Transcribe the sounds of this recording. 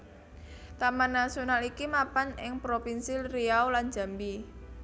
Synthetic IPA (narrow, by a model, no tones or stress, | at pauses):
t̪amanːasionalikimapanɪ̰ŋpɾopinsilriawland͡ʒa̤mbi